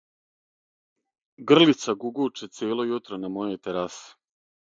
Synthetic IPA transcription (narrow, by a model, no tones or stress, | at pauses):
ɡr̩lit̪saɡuɡuːt͡ʂet̪seːlo̞jut̪ɾonamojo̞jt̪eɾase̥